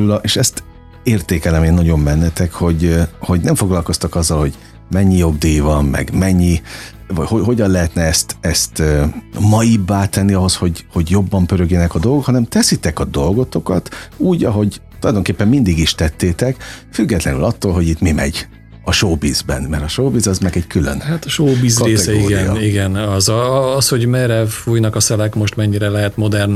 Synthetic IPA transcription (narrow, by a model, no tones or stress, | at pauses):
ylʔeʃɛst̪ | eːrt̪eːkɛlɛmeːnːɒɟo̞mːɛnːɛt̪ɛkho̞ɟho̞ɟnɛɱfo̞ɡlɒlko̞st̪ɒkɒzːɒlho̞ɟ | mɛɲːijo̞ɡd̪ijvɒmmɛ̰ɡmɛɲːi | vɒhoɦo̞ɟɒnlɛɦɛt̪nɛɛst̪ɛst̪ømɒjibːaːt̪ɛnːiɒɦo̞sho̞ɟho̞ɟjo̞bːɒmpøɾøɡjɛnɛkɒd̪olɡokhɒnɛmt̪ɛsit̪ɛkɒd̪o̞lɡo̞t̪o̞kɒt̪uːɟɒɦo̞ɟt̪olɒjd̪oŋkeːpːɛmːmind̪iɡiʃt̪ɛt̪ːeːt̪ɛkfyɡːɛt̪lɛnylɒt̪ːoːlɦo̞ɟit̪mimɛ̰ɟ | ɒʃoːbiːzbɛ̰nmɛɾɒʃoːbiːzɒzmɛɡɛɟkylø̰nhat̪ɒʃoːbiːzeːɛsɛiɡɛijɒ̰iɡɛnɒzːsho̞ɟmɛɾɛfuːjnɒkɒsɛlɛkmoʃt̪mɛɲːiɾɛlɛɦɛt̪mo̞d̪ɛrn